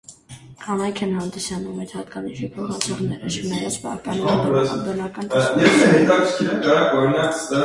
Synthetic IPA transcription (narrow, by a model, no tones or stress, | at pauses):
kʰɑnɑjkʰɛnhɑnd̪isɑnumɛjd̪hɑt̪kɑniʃipʰɔχɑt͡sʰɔʁnɛɾət͡ʃʰənɑjɑt͡sʰpɑ̰pɑnb̪ɔnɑkɑnjɛt̪ʰɛmɛk̪ɑkʰkʰinəkɑɾɑkɔɾinɑt͡ssəɾ